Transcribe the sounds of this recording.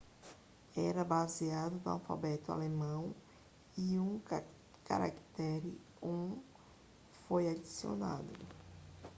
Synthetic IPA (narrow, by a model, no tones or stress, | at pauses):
ɛɾɐbaziad̪ʊnʊa̰wfa̰bɛt̪ʊa̰lemɐ̃w̃ | iũ | ka̰ɾa̰ki̥t̪ɛɾɪ | ũ | fojadisio̰na̰d̪ʊ